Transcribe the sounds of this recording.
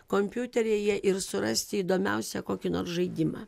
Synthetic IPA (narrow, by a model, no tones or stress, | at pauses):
koːmʲpʲjut̪ʲɛɾʲeːjiɛʔɪɾsʊɾɐsʲt̪ʲɪiːd̪oːmʲɛʊsʲɛkoːkʲɪno̰ːɾsʒɐɪd̪ʲɪmɑ̰ː